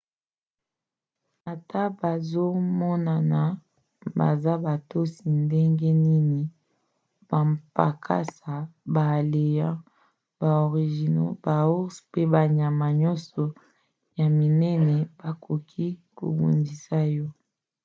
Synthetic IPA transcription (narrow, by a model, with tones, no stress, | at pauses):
a˨ta˦ba˨zo˦mɔ˦na˨na˨ | ba̰˨za˦ba˨to˦si˨nde˦ŋɡe˦ni˦ni˨˦ | b̥a˨mpa̰˨kʰa̰˦sa˨ba˨le˨jã˦ | ba˨o˨ʁi˨ʒi˨no̰˦ba˨u˦spe˦ba˨ɲa˨ma˨ɲɔ˦sɔ˨ | ja˨mi˨nɛ˦nɛ˨b̥a˨kʰo˨kʰi˦ko̰˨bo̰˨ndi˨sa˦jɔ˦